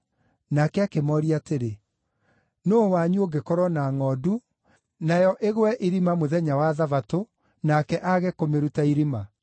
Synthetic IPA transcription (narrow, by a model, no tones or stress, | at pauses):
nakɛakemɔɾiateɾe | nowaɲuoɡekɔɾɔnaŋɔdu | najɔʔeɣwɛʔiɾimamoðɛɲawaðavato | nakɛʔaɣɛkomeɾutaiɾima